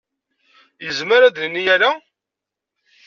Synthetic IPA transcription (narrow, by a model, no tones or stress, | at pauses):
jəzməɾæd̪lənːijæla